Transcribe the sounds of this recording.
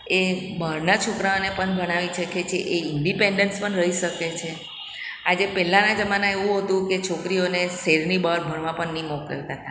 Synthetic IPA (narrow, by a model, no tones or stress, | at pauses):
ebəɾnat͡ʃʰokɾaonepəɳbʱəɽ̃aʋit͡ʃʰəket͡ʃʰeʔeɪɳɖipeɳɖənspəɳɾəɦiʃəket͡ʃʰe | ad͡ʒepɛlanad͡ʒəmanaeʋũɦət̪ũket͡ʃʰokɾioneseɾnibəɾbʱəɾʋãpəɳnimɔkə̰ʋt̪at̪a